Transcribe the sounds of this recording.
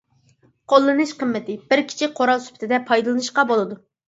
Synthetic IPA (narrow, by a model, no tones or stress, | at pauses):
qʰolˠːɨnɨʃqəmːɪt̪ɪbɪɾkʲʰi̥t͡ʃʰɪqʰoɾɑlˠsy̥pʰɪt̪ʰɪd̪ɛpʰɑjd̪ɨlˠɨnɨʃqɑbolˠɨd̪u